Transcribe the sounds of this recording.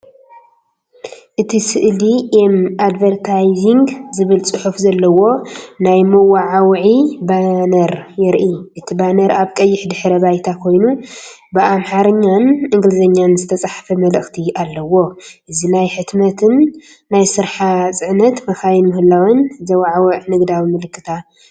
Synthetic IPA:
ʔɨt̪ʰisɨʔliʔemad̪vɐɾt̪ʰajziŋɡzɨβɨlt͡sʼɨħufzɐlːɐwo̞najmɐwaʕawʕibanɐɾjɛɾʔiʔɨt̪ʰibanɐɾaβkʼɐjːɪħd̪ɨħɾɐβajt̪ʰakʰo̞jnu | bɨʔamħaɾɐɲːanɨŋɡlɨzɐɲːanzɨt̪ʰɐt͡sʼaħfɐmɐlɨxt̪ʰialːɐwo̞ʔɨzinajħɨt̪mɐt̪ʰɨnː | ajsɨɾħat͡sʼɨʕnɐt̪mɐxajnmɨhɨlːawɐnzɐwaʕawɨʕnɨɡd̪awimɨlɨkːɨt̪ʰa

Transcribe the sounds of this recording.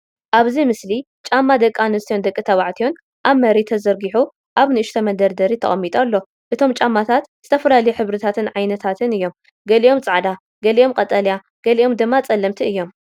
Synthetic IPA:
ʔaβzimɨsli | t͡ʃʼamːad̪ɐkʼːanɨst̪ijo̞nd̪ɐkʼːit̪ʰɐβaʕt̪ʰijo̞n | ʔaβmɐɾit̪ʰɐzɐɾɡiħu | ʔaβnɨɨʃt̪ʰɐmɐnd̪ɐɾd̪ɐɾit̪ʰɐ̰χʼɐmːit̪ʼalːo̞ | ʔɨt̪ʰo̞mt͡ʃʼamːat̪ʰat̪z̥ɨt̪ʰɐfɐlalɐjuħɨβɾɨt̪ʰat̪ʰɨnʕajnɐt̪ʰat̪ʰɨnɨjːo̞m | ɡɐliʔo̞mt͡sʼaʕd̪a | ɡɐliʔo̞mkʼɐt̪ʼɐlja | ɡ̥ɐliʔo̞md̪ɨmːat͡sʼɐlːɐmt̪ʰiɨjːo̞m

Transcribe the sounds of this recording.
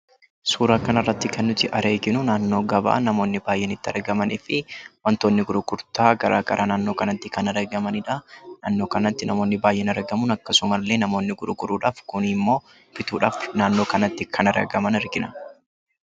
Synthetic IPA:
suːɾaːkɐnɐrːɐt̪ːɪkʰɐnːʊt̪ɪʔɐɾe̞ːɡɪnʊnaːnːo̞ːɡɐba̰ːnɐmo̞ːnːɪbaːjːɛnɪt̪ːɐ̰ɾɡɐmɐnɪfɪwɐnt̪oːnːɪɡʊɾʊɡʊɾt̪aːɡɐɾʔa̰ːɡɐ̰ɾʔaːnaːnːo̞ːkɐnɐt̪ːɪkɐnɐɾɐɡɐmɐnɪᶑɐnaːnːoːkɐnɐt̪ːɪnɐmo̞ːnːɪbaːjʔɛnɐɾɡɐmʊnɐkːɐsʊmɐlːe̞ːnɐmo̞ːnːɪɡʊɾʊɡʊɾuːᶑaːfkʊnɪmːo̞ː | fɪt̪uːᶑaːfnaːnːoːkɐnɐt̪ːɪkʰɐnɐɾɐ̰ɡɐmɐnɪɾɡɪnɐ

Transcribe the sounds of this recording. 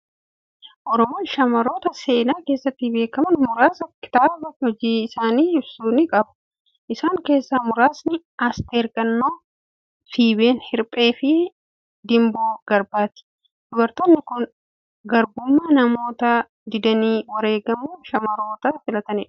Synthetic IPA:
ʔɔɾɔmoːnʃɐmɐɾo̞ːt̪ɐse̞ːnaːke̞ːsːɐt̪ːɪbe̞ːkɐmɐnmʊɾaːsɐkɪ̥t̪aːɾbɐt̪hɔd͡ʒiːɪsaːniːɪbsuːnɪkʼɐbʊ̥ | ʔɪsaːŋke̞ːsːaːmʊɾaːsnɪ | aːst̪eːɾkʼɐnːoː | fiːbe̞ːnhɪɾpʼe̞ːfɪ | d̪ɪmboːɡ̥ɐɾbaːt̪ɪ̥ | d̪̥ʊbɐɾt̪ɔnːɪkʊn | ɡɐɾɡʊmːɐnɐmo̞ːt̪ɐ | d̪ɪd̪ɐniːwɐɾe̞ːɡɐmuːʃɐmɐɾo̞ːt̪ɐfɪlɐt̪ɐnɛᶑ

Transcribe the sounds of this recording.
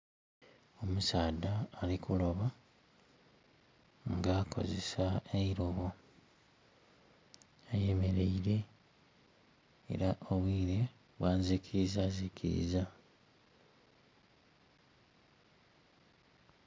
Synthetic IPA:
o̞musaːd̪aːlikulo̞βa | ŋɡaːkʰo̞̰ze̞saeiɾoβo | aje̞me̞ɾe̞iɾe̞ | ḛɾaʔoβwiːɾe̞ | βwaːnzikʰiizaːzikʰḭɾḭza

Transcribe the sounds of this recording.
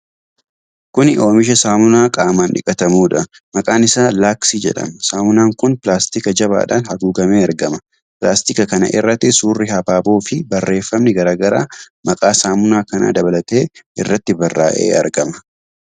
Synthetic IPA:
kʊnɪʔo̞ːmɪʃ̬ɐsaːmʊnaːkʼaːmaːnᶑɪ̰kʼɐt̪ɐmuːᶑɐ | mɐkʼaːnɪsaːlaːksiːd͡ʒɛ̰ᶑɐ̰msaːmʊnaːŋkʊnpɪlaːst̪ɪkɐd͡ʒɐβa̰ːᶑa̰ːnhɐɡuːɡɐmeːɐɾɡɐmɐ | pɪla̰ːst̪ɪkɐkɐnɐ̰ʔɪrːɐt̪ːɪsuːrːɪhɐbaːboːfɪbɐrːe̞ːfːɐmnɪɡɐɾaːɡɐɾa̰ː | mɐkʼaːsaːmʊnaːkɐna̰ːd̪ɐbɐlɐt̪e̞ːʔɪ̰rːɐt̪ːɪbɐrːa̰ːʔḛːɐ̰ɾɡɐmɐ̥

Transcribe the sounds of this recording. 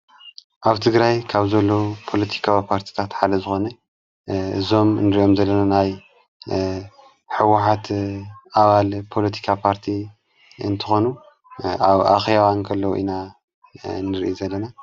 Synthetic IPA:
ʔaβt̪ʰɨɡɾajkʰaβzɐlːo̞pʰo̞lɐt̪ʰi̥kʰawipʰaɾt̪ʰi̥t̪ʰat̪ħad̪ɐzɨxo̞nɐ | ɨzo̞mnɨɾiʔo̞mzɐlːɐnanaj | ħɨwaħat̪ʔaβalpʰo̞lɐt̪ʰi̥kʰapʰaɾt̪ʰi | ɨ̰nt̪ʰɨxo̞nu | aβa̰xjawankʰɐlːɐwʔḭna | nɨɾḭʔozɐlːɐna

